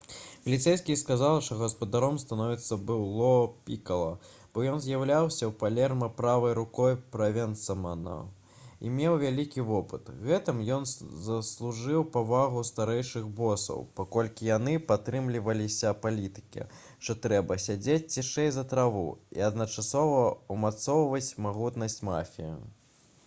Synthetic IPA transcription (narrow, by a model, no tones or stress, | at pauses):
vʲɐlʲit̪sɛjskʲiskazalˠʂt̪ɔɣɐspɐd̪aɾɔmst̪anɔvʲit̪sːɐbɨlˠɔpʲikɐlˠɐ | b̥ɔjɔnzʲjawlʲawsʲɐwpalʲɛrmɐpɾavɐjɾukɔjpɾɐvʲɛnt̪sɐmana̰ | ḭmʲewvʲalʲikʲivɔpɨt̪ɣɛt̪ɨmjɔnzɐslˠuʐɨwpavaɣust̪aɾɛjʂɨɣbɔsɐ̰wpakɔlʲkʲijanɨpat̪ɾɨmlʲivɐlʲisʲɐpalʲit̪ɨ̥kʲɛ̰ | ʂt̪ɔt̪ɾɛbɐsʲad͡zʲet͡sʲt͡sʲiʂɛjzɐt̪ɾavṵḭɐd̪nɐt͡ʂasɔvɐumat̪sɔwvɐt͡sʲmaɣut̪nɐsʲt͡sʲma̰fʲijḭ